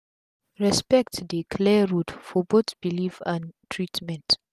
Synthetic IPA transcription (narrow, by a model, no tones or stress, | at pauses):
ɹɛspɛk̚tdikʰlɛɹudfɔbotb̥ilifãntʰɹitmɛ̃nt